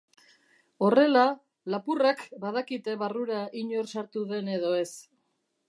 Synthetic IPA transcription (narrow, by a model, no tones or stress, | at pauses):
o̞re̞la | lapurakbaðakit̪e̞βaruɾaʔiɲo̞ɾsaɾt̪uðe̞ne̞ðo̞e̞s